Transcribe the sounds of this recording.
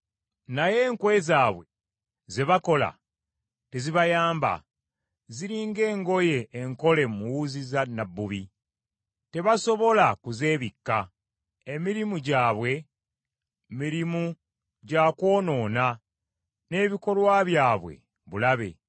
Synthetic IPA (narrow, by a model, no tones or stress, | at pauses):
naje̞ːŋkwe̞zaːβwe̞ | ze̞βako̞la̰ | te̞ziβajaːmba̰ | ziɾiːŋɡe̞ːŋɡo̞je̞ːŋko̞le̞muwuzizanabːuβi | te̞βaso̞βo̞lakuze̞ːβikːa | emiɾimuɟaːβwe̞ | miɾimu | ɟako̞ːno̞ːna | ne̞ːβiko̞lwaβjaːβwe̞̰ | βulaβe̞̰